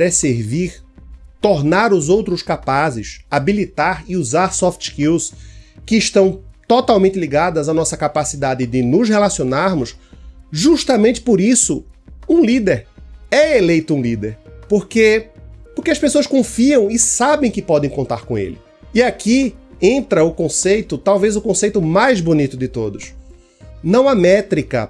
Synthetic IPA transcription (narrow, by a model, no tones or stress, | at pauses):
ɾɛseɾviɾt̪oɾnaɾʊzowt̪ɾʊskapazɪʃabilit̪aɾɪuzaɾsɔft͡ʃ̪kiwskɪːʃt̪ɐ̃w̃t̪ot̪awmẽnt̪ɪliɡad̪ɐzanɔsɐkapasid̪ad̪ɪd̪ɪnʊzhelasionaɾmʊsʒuʃt̪ɐmẽnt̪t͡ʃɪ̥poɾisʊũlid̪eɾɛelejt̪ʊũlid̪eɾpoɾkepoɾkeɐspesoɐskõfiɐ̃w̃ɪsabẽj̃kɪpɔd̪ẽj̃kõnt̪aɾkõḛlɪ̰ | iakʰiẽnt̪ɾɐʊkõsejt̪ʊt̪awvejzʊkõsejt̪ʊmajzbonit̪ʊd̪ɪt̪od̪ʊs | nɐ̃w̃ɐmɛt̪ɾikɐ̰